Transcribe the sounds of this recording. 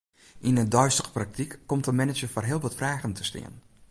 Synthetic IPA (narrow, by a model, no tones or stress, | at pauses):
ʔinədœɥstəɣə̥prak̚tikːɔmtəmɛnɪd͡ʒəforɦɪəlˠʋɔtfraːɣəntʰəstɪ̰ən